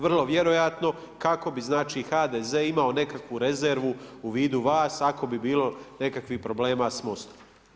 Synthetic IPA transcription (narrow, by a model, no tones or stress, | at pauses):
ʋr̩lˠo̞ʋje̞ɾo̞jat̪no̞ | kako̞biznaːt͡ʃiːxaːd̪ezeːimao̞ne̞kakʋuɾe̞zeɾʋuuʋiːd̪uʋaːsako̞bibiːlˠo̞ne̞kakʋipɾo̞ble̞ːmaːsmost̪o̥